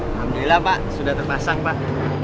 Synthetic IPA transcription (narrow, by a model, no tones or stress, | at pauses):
amdilapaʔsudat̪ərpasaŋpaʔ